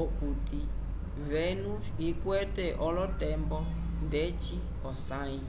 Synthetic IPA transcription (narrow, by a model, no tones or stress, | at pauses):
ɔkut̪i | vɛnusikwɛtɛʔɔlɔtɛmbɔ | ndɛt͡ʃi | ɔsãĩ